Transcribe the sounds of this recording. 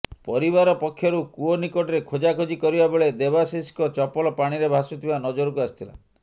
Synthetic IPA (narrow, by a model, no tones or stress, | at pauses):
pɔɾibaɾɔpɔkʰːjɔɾukuonikɔʈɔɾekʰod͡ʒakʰod͡ʒikɔɾibabeɭed̪ebasiskɔt͡ʃɔpɔlɔpaɽ̃iɾebʱasut̪ʰibanɔd͡ʒoɾɔk̬uasi̥t̪ʰila̰